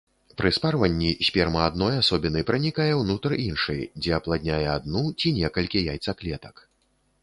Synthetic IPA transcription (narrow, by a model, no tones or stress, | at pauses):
pɾɨsparvɐnʲːisʲpʲɛrmɐad̪nɔjasɔbʲinɨjpɾɐnʲikajɛwnut̪rinʂɨjd͡zʲɛɐplˠad̪ʲnʲajɛad̪̚nut͡sʲinʲɛkɐlʲkʲijajt̪saklʲɛt̪ɐ̥k